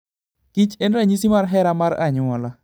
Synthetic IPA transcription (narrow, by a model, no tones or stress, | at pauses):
kit͡ʃɛnɾaɲisimaɾɦɛɾamaɾa̰ɲʊwɔla